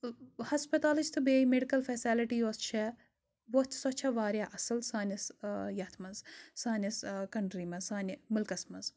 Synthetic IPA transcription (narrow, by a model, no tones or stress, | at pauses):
hɐspɐt̪aːlɨt͡ʃʰt̪ʰɨbeːjimeɖikɐlfeːsaliʈijoːst͡ʃʰɛ | bot̪ʰsɔt͡ʃʰɐʋaːɾʲjaʔɐsɨlsaːnʲisjɐt̪ʰmɐnzsaːnʲɐskɐɳɖɾiːmɐnzsaːnʲimɨlkɐsmɐnz